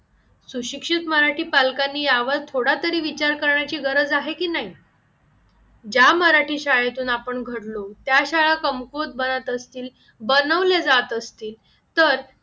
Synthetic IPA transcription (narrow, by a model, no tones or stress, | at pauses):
suɕikʂit̪məɾaʈʰiːpalkanːiːjaʋəɾt̪ʰoɽat̪əɾiːʋit͡ɕaɾkəɾɳjat͡ɕiːɡəɾəd͡zaɦekiːnaɦi | d͡ʑaməɾaʈʰiːɕajet̪uːnapəɳɡʱəɽlot̪jaɕaɭakəmkot̪̚bənət̪əst̪iːl | bənəʋled͡zat̪əst̪iːl | t̪əɾ